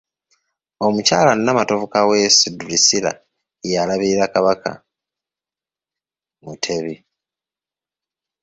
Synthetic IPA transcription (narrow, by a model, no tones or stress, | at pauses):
o̞mucaːlanːamato̞vukawe̞sidulisila̰ | jalaβiɾiɾakaβakʰa̰ | mutʰe̞βi